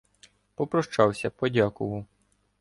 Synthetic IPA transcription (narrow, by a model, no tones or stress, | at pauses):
pɔpɾɔʃt͡ʃɑwsʲɐpɔdʲakʊʋɐw